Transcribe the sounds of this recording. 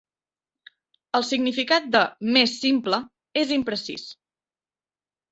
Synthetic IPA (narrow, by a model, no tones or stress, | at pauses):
əlˠsiɡnifikat̪̚d̪əmesːimplə | ezimpɾəsḭs